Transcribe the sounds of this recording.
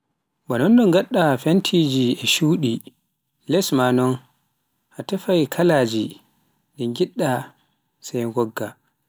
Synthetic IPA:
banɔnɗɔŋɡaɗːafentʰid͡ʒiɛʃuːɗi | lɛsmanɔn | ʔatɛfajkʰalad͡ʒi | ɗɛɡiɗːa | sajɡɔɡːa

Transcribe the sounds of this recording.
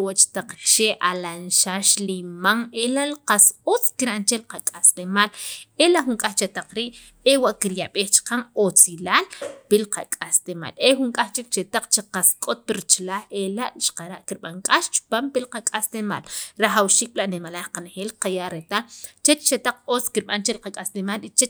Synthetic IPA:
wat͡ʃt̪aq͡χʃeʔalanʃaʃlimaŋelaʔlqasot͡skiɾant͡ʃelqakʼaslemalelaʔxuŋkʼaxt͡ʃet̪aq͡χɾiːʔ | ewaʔkiɾjaɓeːxt͡ʃḁqaŋot͡silaːlpilqakʼast̪ema̰ːlexuŋkʼaxt͡ʃik̚t͡ʃet̪aq͡χt͡ʃiqaskʼot̪̚piɾit͡ʃlaːxelaʔʃqaɾaʔkiɾɓaŋkʼaʃt͡ʃu̥paːmpilqakʼast̪ema̰lɾaχawʃiːk̚laʔnimalahqanexeːlqajaʔɾet̪alt͡ʃet͡ʃt͡ʃet̪aq͡χot͡skiɾɓant͡ʃelqakʼaslemalit͡ʃe

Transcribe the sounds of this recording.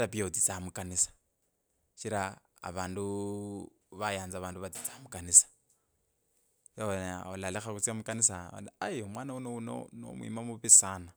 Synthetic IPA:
ɾapijaut͡sit͡samukanisḁ | ʃiɾa̰ː | βaːndu | βajaːnd͡zaβaːnduβatit͡samukanisḁ | janɔlalɛxakut͡siamukanisa̰lajmwaːnaunouno̰no̰mwḭmamuβisaːna

